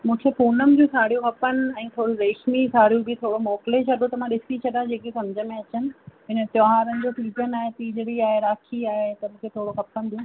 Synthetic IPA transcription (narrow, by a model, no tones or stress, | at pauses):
mũːkʰefoːnəm̃d͡ʑũsʰaːɽ̤ijõɦɐpənɪ̆ɛ̃ːt̪ʰoːɽiɾeːʃmisaːɽ̤ijõbɪt̪ʰoːɽomɔːklet͡ɕʰɐɗot̪ɐm̤ãɗɪsit͡ɕʰɐɗãd͡ʑeːkesɐmd͡ʑʱəmẽɐt͡ɕənɪ̆ɦɪnət̪jɔɦaːɾənɪ̆d͡ʑopiːpənaːɦet̪iːd͡ʑɽiaːɦeɾaːkʰiaːɦet̪ɐmũːkʰet̪ʰoːɽokɐpənd̪ũː